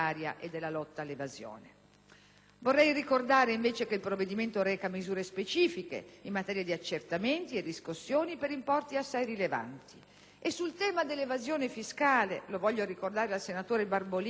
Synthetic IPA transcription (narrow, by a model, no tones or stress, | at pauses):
aːɾja̰ʔed̪ːelːalɔt̪ːaːlːevazjo̰ːne | vorːɛjrikord̪aːɾeiɱveːt͡ʃek̟eilpɾovːed̪iment̪oɾɛːkamizuːɾespet͡ʃiːfikḛimːat̪ɛːɾjad̪iat͡ʃːert̪ament̪ied̪iskusːjoːnipeɾimpɔrt̪iasːajrileva̰nt̪i̥ | esːult̪ɛːmad̪elːevazjoːnefiskaːlelovɔʎːoɾikord̪aːɾealsenat̪oːɾebarbol